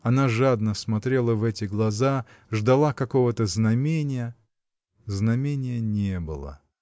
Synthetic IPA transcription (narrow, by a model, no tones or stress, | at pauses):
ɐnaʐad̪nəsmɐt̪ɾʲe̞lˠəvɛtʲɪɡlˠɐza | ʐd̪ɐlˠakɐko̞vət̪əznɐmʲenʲɪjə | znɐmʲenʲɪjənʲebɨ̰lˠə̰